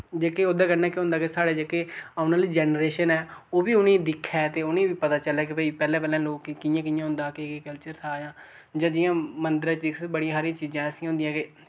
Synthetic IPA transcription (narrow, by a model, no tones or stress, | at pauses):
d͡ʒeːkeoːd̪ãːkənnɛːkːɦʊ̃nd̪aːkesaːɽeːd͡ʒeːkeaʊnaːliːd͡ʒɛːnɾeːʃənɛːoːbiːʊnẽːd̪ɪkʰːɛːt̪eːʊnẽːbiːpət̪aːt͡ʃəlɛːk̬ɪpəiːpɛːlɛ̃ːpɛːlɛ̃ːloːkːɪjãːkɪjãːɦʊ̃nd̪aːkeekəlt͡ʃəɾt̪ʰaːd͡ʒãː | d͡ʒãːd͡ʒɪjãːmənd̪ɪɾãːt͡ʃd̪ɪkʰbəɽijãːɦaːɾiãt͡ʃiːd͡ʒãːəsĩɦʊ̃nd̪ĩjãːke